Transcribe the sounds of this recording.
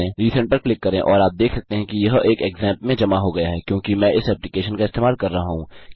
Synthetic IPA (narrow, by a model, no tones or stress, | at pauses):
ẽɾiːsə̃ɳʈpɐɾklɪkːɐɾẽʔɔːɾaːp̚d̪eːkʰsɐk̚t̪eɦɛ̃kijɐɦʔeːkeːɡzɛ̃ːmpmẽd͡ʒɐmaɦoɡɐjaɦɛkjõːkimɛ̃ːʔɪsɛːplɪkeːʃənkaɪst̪eːmaːlkɐɾːɐɦaɦũː